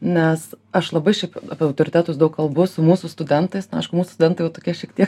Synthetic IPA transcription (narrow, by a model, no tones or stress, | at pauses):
nʲɛs | ɐʃlˠɐbɐɪʃʲɛɪpɐpʲɪɐʊt̪oːɾʲɪt̪ʲæːt̪ʊsd̪ɐʊkkɐlˠbʊsʊmuːsʊst̪ʊd̪ʲɛnt̪ɐɪsnʊɐɪʃkʊmuːsʊ̥st̪ʊd̪ʲɛnt̪ɐɪjɛʊt̪oːkʲiɛʃʲiɛkt̪ʲiɛk